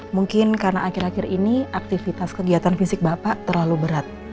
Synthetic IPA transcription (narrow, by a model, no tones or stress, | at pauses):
muŋkɪnkaɾənaʔakɪɾakɪɾiniak̚t̪ifit̪askəɡiat̪anfisɪk̚bapaʔt̪ərlalubəɾat̪̚